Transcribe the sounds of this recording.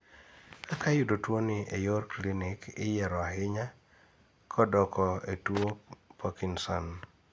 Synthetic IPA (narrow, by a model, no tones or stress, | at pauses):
kakajʊdotwoniejoɾklinɪkɪ̰jɛɾɔaɦɪɲa | kʰɔdɔkɔetuopʰɔkinsɔn